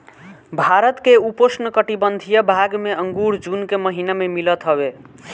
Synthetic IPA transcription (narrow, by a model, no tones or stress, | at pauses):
bʱaɾət̪keuposnəkəʈibənd̪ʱijəbʱaɡmeəŋɡuɾd͡ʒunkeməɦinamemilət̪ɦəβe